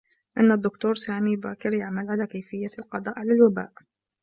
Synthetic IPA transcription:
ʔɪnːad̪ːʊkt̪uːɾˤsaːmiːba̰ːkɪɾjaʕmalʕalaːkajfɪjːalqɑd̪ˤɑːʔʕalalwaba̰ːʔ

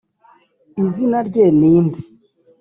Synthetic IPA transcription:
izinaɾɟeniːndi

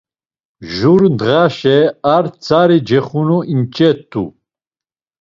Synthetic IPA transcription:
ʒuɾnd̪ʁaʃɛaɾt͡sʰaɾid͡ʒɛχunuint͡ʃʼɛt̪ʰːṵ

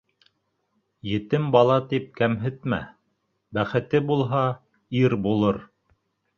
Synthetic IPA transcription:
jɘ̆t̪ɘmbɑlˠɑt̪ip̚kæmɦɘ̆t̪mæ̰ | bæχɘ̆t̪ɘbulˠɦɑ | iɾbulˠɤɾ

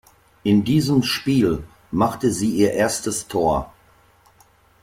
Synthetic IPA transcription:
ʔɪndiːzəmʃpiːl | maχtəziːʔiːɐʔeːɐstəstʰoːɐ

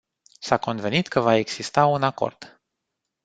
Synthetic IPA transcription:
sako̞nve̞nit̪kʰəvaeɡsist̪aunako̞̰rd̪̥

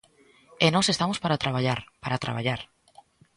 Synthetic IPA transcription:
enɔsest̪amospaɾat̪ɾaβ̞aʎaɾpaɾat̪ɾa̰βaʎaɾ

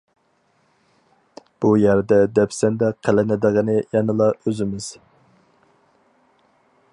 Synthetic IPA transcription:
b̥ujæɾd̪ɛd̪ɛpsɛnd̪ɛqʰəlɪnɪd̪ɨʁɨnɨjɛnɨlˠɑøzɪmɪz̥

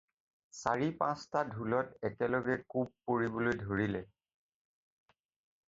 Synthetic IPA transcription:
sa̰ɹipãstadʱulɔtɛkɛlɔɡɛkub̚poɹibɔlojdʱoɹilɛ

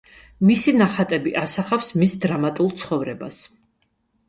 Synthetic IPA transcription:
misinaχat̪ʼɛbiʔasaχafsmisd̪ɾamat̪ʼulˠt̪sʰχɔvɾɛba̰s

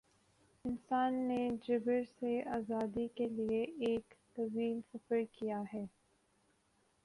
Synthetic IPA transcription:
ɪnsaːnːed͡ʒɪbəɾseaːzaːd̪ikelieeːkt̪ɐʋiːlsɐfəɾkijaɦɛː

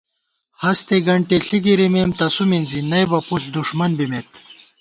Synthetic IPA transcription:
hɐst̪eɡɐɳʈeɬiɡiɾimemt̪ɐsuminzinɐjbɐpuɬd̪uʂmɐnbimet̪

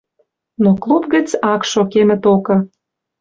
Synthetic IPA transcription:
noklˠupɡə̆t͡sɑkʃokemə̆t̪okɤ̆

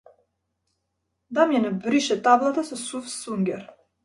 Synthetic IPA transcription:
d̪amjɛnabɾiʃɛt̪ablˠat̪asɔsufsuŋɡʲɛɾ

